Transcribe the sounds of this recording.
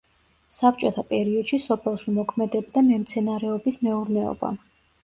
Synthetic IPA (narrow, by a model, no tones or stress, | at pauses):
sap̚t͡ʃʼɔt̪ʰapʼɛɾiɔd̪̥ʃisɔpʰɛlˠʃimɔkʰmɛd̪ɛbd̪amɛmt̪sʰɛnaɾɛɔbismɛuɾnɛɔ̰ba̰